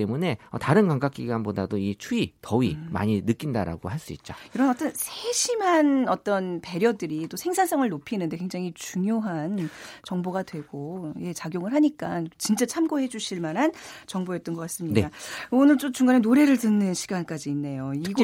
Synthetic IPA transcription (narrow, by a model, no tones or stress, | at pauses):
t͈emune̞ʌ̰taɾɯnkwaŋɡak͈iɡanbodadoit͡ɕʰuitʌima̰ɲinɯk͈indaɾa̰ɡo̰haɭs͈uḭt̚t͡ɕ͈oiɾʌnʌt͈ʌnsʰeɕʰimɦanʌt͈ʌnpe̞ɾjʌdɯɾit͈osʰeŋsʰans͈ʰʌŋɯɭnopʰinɯnde̞kweŋd͡ʑaŋit͡ɕuŋjoɦant͡ɕʌŋboɡadwe̞ɡoje̞t͡ɕaɡjoŋɯɭɦaɲik͈ant͡ɕint͡ɕ͈at͡ɕʰamɡoɦe̞d͡ʑuɕʰiɭmanɦant͡ɕʌŋboet͈ʌnɡʌk͈as͈ɯmɲineaonɯɭt͡ɕ͈omt͡ɕuŋɡanenoɾe̞ɾɯɭtɯnːɯnɕʰi̥ɡank͈ad͡ʑiːnːe̞joiɡ